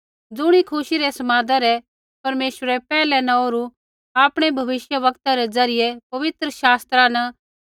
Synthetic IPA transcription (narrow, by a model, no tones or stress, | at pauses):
d͡zʊɽ̃ikʰʊʃiɾɛsɐmãːd̪aɾɛ | pɐɾmeːʃəɾɛpɛːlɛnãoːɾu | aːpɽ̃ebʱɐʋɪʃjəʋɐkt̪aɾɛd͡zɐɾɪjepɐʋɪt̪ɾəʃaːst̪ɾana